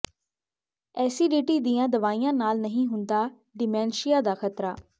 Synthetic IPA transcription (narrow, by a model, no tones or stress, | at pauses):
ɛːsiːɖiːʈiːd̪ijãːd̪əʋaːijãːnaːlnəɦĩːɦʊnd̪aː | ɖɪmɛ̃ːnʃɪjaːd̪aːxʰət̪ɾaː